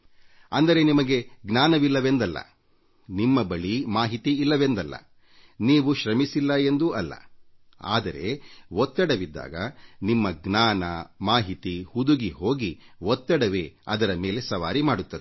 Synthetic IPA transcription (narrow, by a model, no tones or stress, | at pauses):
ɐnd̪ɐɾe̞nimɐɡe̞ɡnaːnɐʋilːɐʋe̞nd̪ɐlːɐ̰ | nimːɐbɐɭimaːɦit̪iːlːɐʋe̞nd̪ɐlːɐ̰ | niːʋuʃɾɐmisilːɐe̞nd̪uʔɐlːɐ̰ | a̰ːd̪ɐɾe̞wɔt̪ːɐɽɐʋid̪ːa̰ːɡɐnimːɐɡnaːnɐmaːɦit̪ihud̪uɡiɦo̞ːɡiwɔt̪ːɐɽɐʋeːɐ̰d̪ɐɾɐme̞ːle̞sɐʋaːɾimaːɽut̪ːɐd̪e